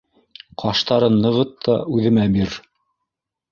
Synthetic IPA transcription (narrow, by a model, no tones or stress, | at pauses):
qʰɑʃt̪ɑɾɤnːɤ̆ʁɤt̪ʰːɑʉðɘ̆mæbiɾ